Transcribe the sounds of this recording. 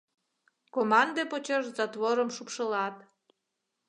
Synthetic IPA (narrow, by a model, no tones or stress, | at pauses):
komɑnd̪epot͡ɕoʒzɑt̪βoɾəmʃupʃəlɑt̪